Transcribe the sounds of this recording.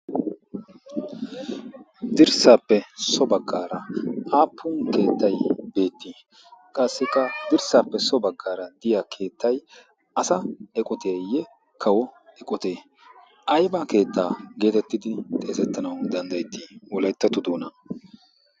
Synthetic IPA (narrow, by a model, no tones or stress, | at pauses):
d̪ɪɾsaːpːɛsɔbɐɡːaːɾɐaːpʰːʊnke̞ːt̪ːɐjbe̞ːt̪ːi | kʼɐsːɪkːɐd̪ɪɾsaːpːɛsɔbɐɡːaːɾɐd̪ɪjakʰe̞ːt̪ːɐj | ɐsɐɛkʼɔt̪ʰeːjɛ | kʰɐwɔɛkʼɔt̪e̞ː | ʔɐjbɐke̞ːt̪ːaːɡe̞ːt̪ɛt̪ːɪd̪ɪt̪ʼe̞ːzɛt̪ːɐnɐwd̪ɐnd̪ɐjt̪ːɪwɔlɐjt̪ːɐt̪ːʊd̪oːnɐ